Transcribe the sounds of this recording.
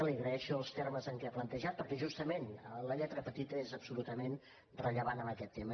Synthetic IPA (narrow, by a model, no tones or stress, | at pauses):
əliɣɾəɛʃuəlˠst̪erməzəŋkɛaplənt̪əʒat̪̚pəɾkɛʒust̪əmenələʎɛt̪ɾəpət̪it̪əezəpsulut̪əmen | rəʎəβanəməkɛt̪ːemə